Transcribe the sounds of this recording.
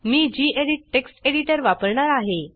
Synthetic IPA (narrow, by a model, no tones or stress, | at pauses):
miːd͡ʑiːʔeɽiʈ̚ːeksʈeɽiʈəɾʋapəɾɳaɾaɦe